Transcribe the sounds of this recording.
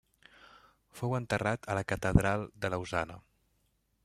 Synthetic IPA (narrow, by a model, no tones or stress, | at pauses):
fowənt̪ərat̪ʰələkət̪əðɾalˠd̪ələuzanə